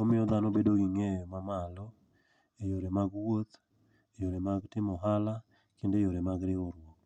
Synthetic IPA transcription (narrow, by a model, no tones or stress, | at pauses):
ɔmɪɔd̪anobedoɡɪŋɛjɔmamalɔ | ejoɾemaɡwot̪ | ejoɾemaɡtɪmɔɦala | kendejoɾemaɡɾɪoɾwok̚